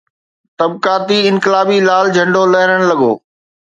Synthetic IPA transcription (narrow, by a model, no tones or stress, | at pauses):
t̪ɐbkaːt̪iɪ̃nkɪlaːbilaːld͡ʑʱɐ̃ɳɖolɐɦɪɾəɽ̃lɐɠo̰ː